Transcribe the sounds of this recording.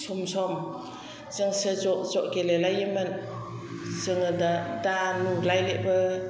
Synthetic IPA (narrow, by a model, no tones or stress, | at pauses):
sɔmsɔm | z̥ɯŋsɯzɔʔzɔʔɡelelajimɯn | zɯŋɯdadanulajleʔbɯ